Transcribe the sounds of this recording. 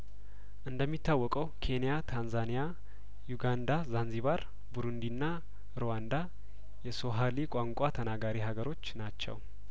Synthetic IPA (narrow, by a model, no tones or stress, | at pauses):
ʔɨnd̪əmːit̪ʰːawːɔkʼəwkʰe̞nijat̪ʰanzanija | juɡand̪azanziβaɾ | buɾund̪inːa | ɾowand̪a | jɛso̞ɦalikʷʼaŋkʷʼat̪ʰənaɡaɾiɦaɡəɾo̞t͡ʃːnat͡ʃːɛ̰w